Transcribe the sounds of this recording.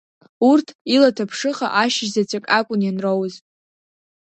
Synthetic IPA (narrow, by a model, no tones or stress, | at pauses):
urtʰilatʰapʰʂɨχa̰ʔaʃzat͡sʷʰʼakʼakʷʼʊnjanrowzʼ